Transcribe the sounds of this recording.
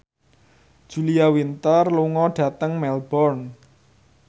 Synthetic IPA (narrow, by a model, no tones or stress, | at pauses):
d̥ʒ̥ṳliawint̪ərluŋɔɖ̥ä̤t̪əŋmɛlbɔrn